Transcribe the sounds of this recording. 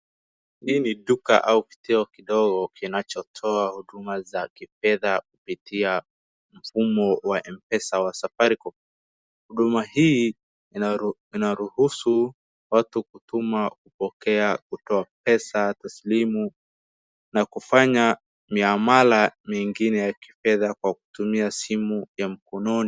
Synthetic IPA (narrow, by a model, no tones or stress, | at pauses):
hiːniɗuka̰ʔauki̥tɛɔkiɗɔɡɔkinat͡ʃɔtʰɔahuɗumazakifɛðak̚upitia | m̩fumɔwaʔɛmpɛsawasafaɾiku | huɗumahi | inaɾuhusu | watukutumakupɔkɛakutɔap̚ɛsataslimu | nakufaɲa | miamalamiŋɡinɛjaki̥fɛðakwaku̥tumiasimujam̩kɔnɔni